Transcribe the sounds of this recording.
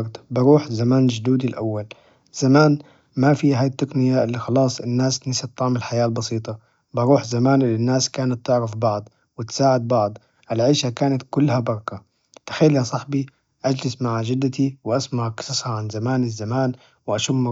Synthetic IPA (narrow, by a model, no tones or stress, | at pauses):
ɾd̪bɑɾuːħzamaːnd͡ʒʊd̪uːd̪ilʔa̰wːal | z̥amaːn | mafiːɦaːjt̪ːaqnɪjaʔɪlːixɑlɑːsˤʔɪnːaːsnɪsat̪ːɑʕmɪlħajaːlbɑsiːt̪ˤɑ | bɑɾuːħzamaːnʔɪlːinːaːskaːnat̪ːɪʕɾɪfbɑʕd̪ˤ | wɪt̪saːʕɪd̪̚bɑʕd̪ˤ | ʔɪlʕiːʃakaːnat̪kʊlːhabɑɾˤɑka | t̪ḁxalːihasˤɑħbi | ʔad͡ʒlɪsmaʕaʒɪd̪ːat̪iwʔasmaʕʔksɑsˤhaʕanzamaːnɪzːamaːn | wʔaʃʊmː